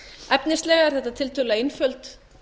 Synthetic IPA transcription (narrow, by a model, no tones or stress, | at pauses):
ɛpnɪst̪lɛːɣaɛɾ̥θɛht̪at̪ʰɪlt̪ʰʏlaɪnfœlt̪